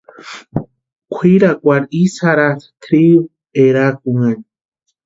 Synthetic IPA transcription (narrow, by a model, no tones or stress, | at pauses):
kʷʰiɾakʼʷaɾisaɾaskʰɾiw | eɾakuŋan